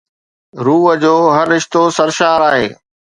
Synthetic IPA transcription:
ɾuːɦəd͡ʑoːɦɐɾːɪʃt̪osɐɾʃaːɾaːɦḛː

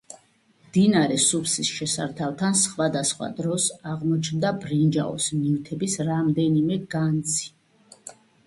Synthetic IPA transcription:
md̪̥inaɾɛsupʰsisʃɛsa̰ɾt̪ʰalˠt̪ʰansχwad̪asχwa̰d̪ɾɔsaʁmɔt͡ʃʰnd̪abɾind͡ʒa̰ɔ̰snivt̪ʰɛbisɾamd̪ɛnimɛɡant̪sʰi̥

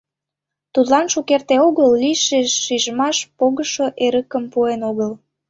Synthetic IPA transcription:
t̪ud̪lɑnʃukert̪eoɣəlːiʃeʃːiʒəmɑʃpoɣəʃoʔeɾəkəmpuenoɣəl

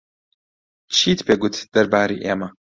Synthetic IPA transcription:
t͡ʃʰiːt̪pʰeːɡut̪d̪̥ɐɾbaːɾiːʔeːmɐ

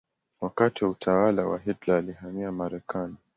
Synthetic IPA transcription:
wakatiwautʰawalawa̰ɦɛtlaːlihamiamaɾɛkʰani

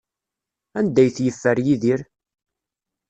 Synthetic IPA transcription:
ænd̪æjθjəfːæɾjiðiɾ

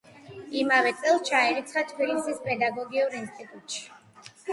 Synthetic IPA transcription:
imavɛt̪sʼɛlˠt͡ʃʰaɛɾit̪sʰχat̪ʰpʰilisispʼɛd̪aɡɔɡiuɾinst̪ʰʼit̪ʼut̪ʃi̥

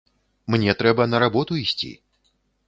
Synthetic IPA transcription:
mnʲɛt̪ɾɛbɐnɐɾabɔt̪uisʲt͡sʲḭ

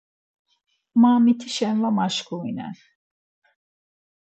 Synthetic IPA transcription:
maːmit̪ʰiʃɛnlamaʃkʰuinɛ̰n

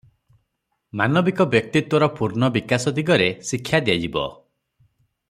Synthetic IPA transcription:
manɔbikɔbjɔk̚t̪it̪wɔɾɔpuɾnɔbikasɔd̪iɡɔɾesikʰːjad̪iad͡ʒibɔ̰

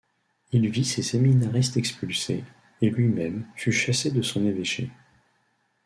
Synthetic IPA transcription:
ilviseseminaʁist̪ɛkspylse | elɥimɛmfyʃased̪əsɔ̃neveʃḛ

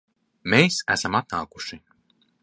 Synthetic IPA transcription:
mejsæ̰samat̪̚naːku̥ʃi

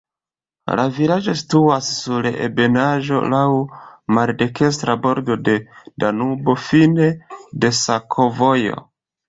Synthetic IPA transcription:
la̰vilad͡ʒo̞si̥tuasːuɾḛbe̞naʒo̞̰lawmalde̞ke̞s̬tɾabo̞ɾdo̞de̞danubo̞fine̞de̞sakʰo̞vo̞jo̞̰

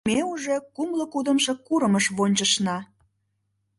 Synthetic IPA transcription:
euʒekumlə̆kud̪ə̆mʃĕkuɾəməʃβonʲt͡ɕəʃnɑ

